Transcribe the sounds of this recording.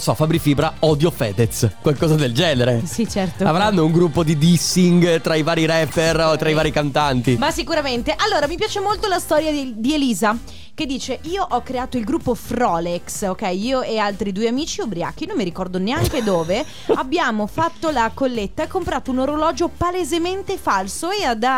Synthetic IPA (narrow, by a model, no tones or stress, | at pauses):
sɔfabɾifiːbɾaɔd̪jofɛːd̪et̪skwalkɔːzad̪eld͡ʒɛːneɾesit͡ʃɛrt̪oavɾanːouŋɡɾupːod̪id̪isːiŋɡt̪ɾaivaːɾiɾɛpːerot̪ːɾaivaːɾikant̪ant̪imasikuɾament̪eʔalːoːɾamipjaːt͡ʃemolt̪olast̪ɔːɾjad̪ieliːza | ked̪ːiːt͡ʃeʔiːoʔɔkːɾeaːt̪oilɡɾupːofɾɔleksokɛjiːoealt̪ɾid̪uːeamiːt͡ʃiobɾia̰ːkːinomːiɾikɔrd̪oneaŋk̟ed̪oːve | abːjaːmofat̪ːolakolːet̪ːaekːompɾaːt̪ounoɾolɔːd͡ʒopalezement̪efalsoead̪a